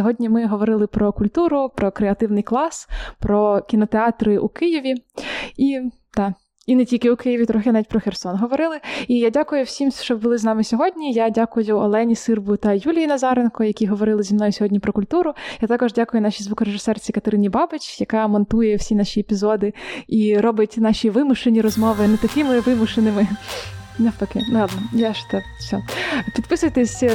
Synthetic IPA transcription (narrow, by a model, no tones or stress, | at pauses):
sʲɔɦɔdʲnʲimɪɦɔʋɔɾɪlˠɪpɾɔkʊlʲt̪uɾʊpɾɔkɾeɐt̪ɪwnɪjklˠɑspɾɔkʲinɔt̪eɑt̪ɾɪʔṵkɪjɪʋʲii | d̪̥ɑ | inɛtʲilʲkɪʊkɪjɪʋʲit̪ɾɔxɪnɑʋʲit̚ʲpɾɔxersɔnɦɔʋɔɾɪlˠɪijadʲakʊjʊwsʲimʃt͡ʃɔbʊlˠɪznɑmɪsʲɔɦɔdʲnʲijadʲakʊjʊɔ̰lˠɛnʲisɪrbʊt̪ɐjulʲijinɐzɑɾenkɔjɐkʲiɦɔʋɔɾɪlˠɪzʲimnɔjʊsʲɔɦɔdʲnʲipɾɔkʊlʲt̪uɾʊjat̪ɑkɔʒdʲakʊjʊnɑʃʲizʋukɔɾeʒɪsɛrt͡sʲikɐt̪ɐɾɪnʲibɑbɪt͡ʃʲjɐkɑmɔnt̪ujɛwsʲinɑʃʲiepʲizɔd̪ɪiɾɔbʲɐtʲnɑʃʲiʋɪmʊʃenʲiɾɔzmɔʋɪnɛt̪ɐkɪmɪʋɪmʊʃenɪmɪ | nɐpɐkɪnˠɑd̪nɔjaʃt̪ɔsʲɔpʲid̪̚pɪsʊjt̪esʲ